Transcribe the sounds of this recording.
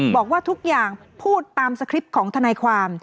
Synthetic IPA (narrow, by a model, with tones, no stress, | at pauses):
bɔː˨˩k̚waː˥˩t̪ʰu˦˥k̚jaː˨˩ŋ | pʰuː˥˩t̪ːaː˧msa˧kʰɾi˦˥p̚kʰɔː˩˦ŋt̪ʰa˧naː˧jkʰwaː˧m